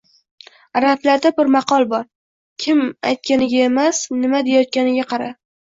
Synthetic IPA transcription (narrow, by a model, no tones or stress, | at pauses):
ɾaflaɾd̪abɪɾmɑqɒlˠbɒɾ | kʲʰɪma̰jt̪̚kʲanɪɡʲae̞masnɪmad̪e̞jɒt̪̚kʲanɪɡʲaqʰɑɾa